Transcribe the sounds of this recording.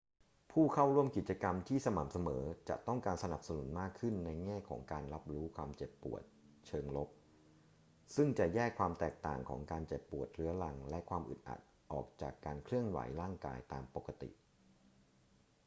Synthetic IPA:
pʰuː˥˩kʰa˥˩wɾu˥˩əmki˨˩t̪̚t͡ɕa˧ka˧mt̪ʰiː˥˩sa˧ma˨˩m̚sa˧mɤː˩˦t͡ɕa̰˨˩ʔt̪ɔ˥˩ŋkaː˧nsa˧na˨˩p̚sa˧nu˩˦nmaː˥˩kʰːɯ˥˩nːa˧jŋɛː˥˩kʰɔ̰ː˩˦ŋkaː˧nɾa˦˥p̚ɾuː˦˥kʰwaː˧mt͡ɕe˨˩pːṵ˨˩ət̪̚ | t͡ɕʰɤː˧ŋlo˦˥p̚ | sɯ˥˩ŋt͡ɕa˨˩jɛː˥˩kʰwaː˧mt̪ɛː˨˩k̚t̪a̰ː˨˩ŋkʰɔ̰ː˩˦ŋkaː˧nt͡ɕe˨˩pːu˨˩ət̪̚ɾɯ˦˥ɐla˧ŋlɛ˦˥kʰwaː˧mʔɯ̰˨˩t̪̚ʔa̰˨˩t̪̚ʔɔ̰ː˨˩k̚t͡ɕa̰ː˨˩kːaː˧nkʰɾɯ˥˩əŋwa̰˩˦jɾaː˥˩ŋka̰ː˧jt̪aː˧mpo˨˩kːa˧t̪ḭ˨˩ʔ

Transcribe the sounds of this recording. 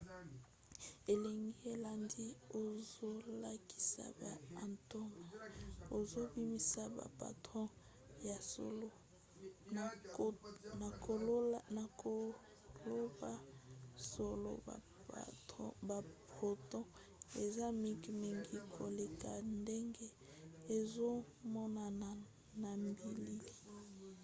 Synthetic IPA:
e˨le˨ŋɡi˦e˨la˨ndi˦o˨zo˦la˦ki̥˦sa̰˦˨ba˨a˨nto˦ma˨o˨zo˦bi˦mi˦sa˦ba̰˨pa̰˨tʁɔ̃˦ | ja˨so̰˦lo˦˨ | na˨ko˨˦na˨ko˨ | lo˦ba˦so˨lo̰˦˨ | ba˨po˨tɔ̃˦ | e˨za˦mi˦kmi˨ŋɡi˦kʰo˨le˨ka˨nde˦ŋɡe˦ | e˨zo˦ | mɔ˦na˨ | na˨mbi˨li˦˨

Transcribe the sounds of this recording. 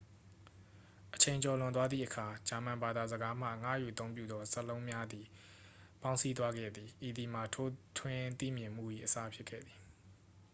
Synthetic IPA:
ʔət͡ɕʰẽ˨ɪ̃ɲt͡ɕɔ˨lʊ̃˨nt̪wa˦d̪ðḭ˦˨ʔəkʰa˨d͡ʑa˨mã˨mba˨d̪a˨zəɡa˦m̥ä̰˦˨ŋä̰˦˨jṵ˨ət̪õ˦ʊ̃mp̬jṵ˦˨d̪ɔ˦səlõ˦ʊ̃mja˦d̪i˨ | pã˦ʊ̃nsi˦t̪̬wa˦ɡɛ̰˦˨d̪ði˨ʔi˨d̪i˨m̥a˨tʰo˦tʰwɪ̃˦t̪ḭ˦˨mjɪ̃˨m̥ṵ˦˨jḭ˦˨ʔəsa˦pʰjɪ˦kʰɛ̰˦˨d̪ði˨

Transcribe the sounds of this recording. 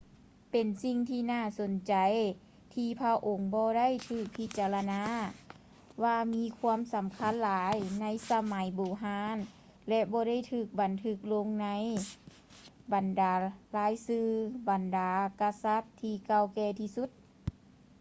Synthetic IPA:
pe˨nsi˧ŋt̪ʰiː˧naː˧˩so˨˦nt͡ɕa˨j | t̪ʰiː˧pʰa˧˥ʔo˨˦ŋbɔː˧da˥˨jt̪ʰɯː˧˩k̚pʰi˧t̪̚t͡ɕaː˧˨la˧naː˧˥ | waː˧miː˧˥kʰuː˧˥əmsa˨˦mkʰa˧˥˨nlaː˨˦jna˧˥jsa˧ma˨˦jboː˨˩ɦaː˧˦n | lɛ˧bɔː˧˦ɾa˥˨jt̪ʰɯː˧˩k̚ba˨nt̪ʰɯ˧˩k̚lo˧˥ŋna˧˥˨j | ba˨ndaː˨˩˦laː˨˧˥jsɯː˧ba˨˩ndaː˨˦ka˧sa˧˥t̪ʰːiː˧˩ka˧˩˨wkɛː˧t̪ʰiː˧su˧˦t̪̚

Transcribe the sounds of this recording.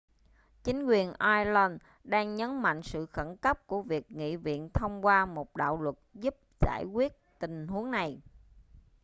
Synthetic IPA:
t͡ɕï˨˦ŋ̟kwi˨˩ənʔaː˧jlə˧n | ɗaː˧ŋɲə˨˦nma̰˧˨jŋ̟sɨ̰˧˨xə˧˩nkə˦˥p̚ku˧˩əvi˨˩ək̚ŋḭ˧˨vḭ˧˨ənt̪ʰə˧wŋ͡mkwaː˧mo˨˩t̚ɗa̰ː˧˨wlwə˨˩t̚zu˦˥p̚z̥a̰ː˧˩jkwi˦˥ət̚t̪ï˨˩ŋ̟hu˨˦əŋna˨˩j

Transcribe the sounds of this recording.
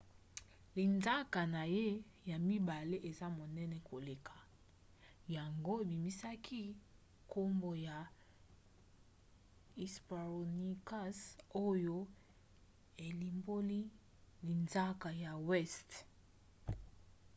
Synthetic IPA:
li˨nza˦ka˨na˨je˦ | ja˨mi˦ba˨le˦ʔe˨za˦mo˨nɛ˦nɛ˨kʰo˨le˨kʰḁ˨ | ja˨ŋɡo˦e˨bi˨mi˦sa˦kʰi˦ | ko˦mbo˨ja˨ | i˨spa˨ʁo˨ni˦ka˦so˦jo˦ | e˨li˨mbo˦li˦ | li˨nza˦ka˨ja˨wɛ˦st

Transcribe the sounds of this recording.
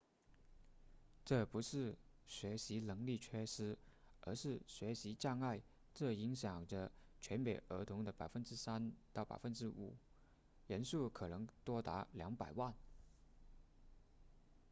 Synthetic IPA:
ʈ͡ʂɤ˥˩pu˧˥ʂɻ̩˥˩ | ɕɥɛ˧˥ɕi˧˥lɤ˧˥ŋli˥˩t͡ɕʰɥɛ˥ʂɻ̩˥ | ə̰˞˧˥ʂɻ̩˥˩ɕɥɛ˧˥ɕi˧˥t͡ɕjɑ˥˧ŋa˥˩ɪ | ʈ͡ʂɤ˥˩i˧˥ŋɕjɑ˨˩ŋʈ͡ʂə˦t͡ɕʰɥɛ˧˥npe˨˩ɪʔə˧˥t̪ʰʊ˧˥ŋd̪ə˧pa˨˩ɪfə˥nʈ͡ʂɻ̩˥sa˥nt̪ʊpa̰˨˩fə˥nʈ͡ʂɻ̩˥ṵ˨˩˦ | jə˧˥nsu˥˩kʰɤ˨˩nɤ˧˥ŋt̪wɔ˥t̪a̰˧˥ljɑ˧˥ŋpa˨˩ɪwa˥˩n

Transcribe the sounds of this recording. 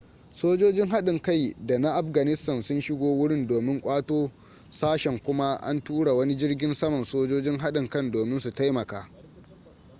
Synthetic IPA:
soː˦d͡ʒoː˦d͡ʒɪ˦ŋɦa˦ɗɪ˨ŋka˦˨jda˨na˦ʔa˦˨ɸɡɐ˨nɪ˦stɐ˨nsʊ˦nʃɪ˦ɡʷoː˦wʊ˦ɽɪ˦ndoː˨mɪ˦ŋkʷʼaː˦toː˦ | saː˦ʃɛ˨ŋkʷʊ˦ma˦ʔa̰˦ntuː˦ɽa˨wɐ˦ni˦d͡ʒɪ˦rɡʲɪ˦nsɐ˦mɐ˨nsoː˦d͡ʒoː˦d͡ʒɪ˦ŋɦa˦ɗɪ˨ŋkɐ˦ndoː˨mɪ˦nsu˨ta˦jmɐ˨kaː˦

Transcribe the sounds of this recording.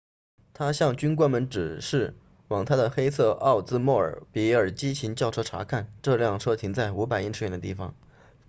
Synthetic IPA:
t̪ʰa˥ɕjɑ˥˩ŋt͡ɕy˥nk̬wa˥nmə˧˥nʈ͡ʂɻ̩˨˩ʂɻ̩˥˩ | wɑ˨˩ŋt̪ʰa˥d̪ə˨xe˥ɪt͡sʰɤ˥˧ʔɑ˥˩ʊt͡sɹ̩˥mwɔ˥˩ə̰˞˨˩pi˧˥ə˞˨˩t͡ɕi˥t͡ɕʰi˧˥nt͡ɕjɑ˥˩ʊʈ͡ʂʰɤ˥ʈ͡ʂʰa̰˧˥kʰa˥˩nʈ͡ʂɤ˥˧ljɑ˥˩ŋʈ͡ʂʰɤ˥t̪ʰi˧˥ŋt͡sa˥˩ɪu˧˥p̬a˨˩ɪi˥˧nʈ͡ʂ̩ʰ˥˩jɛ˥˩nd̪ə˦t̪i˥˩fɑ̰˨˩ŋ

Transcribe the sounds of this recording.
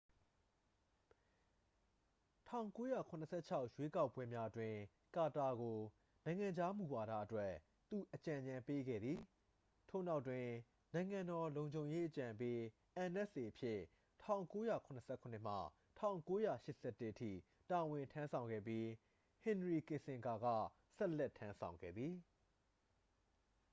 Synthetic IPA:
tʰã̰˦˨ʊ̃ŋko˦ja̰˦˨kʰʊ̃˨nəsʰɛ˦t͡ɕʰa˦ʊʔjwe˦ka˦ʊpːwɛ˦mja˦ʔətwɪ̃˨ | ka˨ta˨ɡo˨ | nã˨ɪ̃ŋã˨ɲd͡ʑa˦mu˨wa˨ɾa̰˦ʔətwɛ˦ | t̪u˨ʔət͡ɕã˨ɲã˨mpe˦ɡɛ̰˦˨d̪ði˨ | tʰo̰˦˨na˦ʊtːwɪ̃˨ | nã˨ɪ̃ŋã˨ndɔ˨lõ˨ʊ̃ɲd͡ʑʱõ˨ʊ̃je˦ʔət͡ɕã˨pe˦ | ʔã˨nɛ˦ʔsʔe˨ʔəpʰjɪ˦ | tʰã˦˨ʊ̃ŋko˦jä̰˦˨kʰʊ̃˨nə˨sʰɛ˦˨kʰʊ̃˨n̥ɪ˦˨m̥a̰˦˨ | tʰã̰˦˨ʊ̃ŋko˦jä̰˦˨ʃɪ˦ʔsɛ˦tːɪ˦ʔətʰḭ˦˨ | ta˨wɪ̃˨ntʰã˦nsʰã˨ʊ̃ŋɡɛ̰˦˨p̬ji˦ | hɪ̃˨ndəɹi˨kɪ̃˨sɪ̃˨ŋɡa˨ɡä̰˦˨ | sɛ˦ʔlɛ˦˨tʰːã˦nsʰã˨ʊ̃ŋɡɛ̰˦˨d̪ði˨

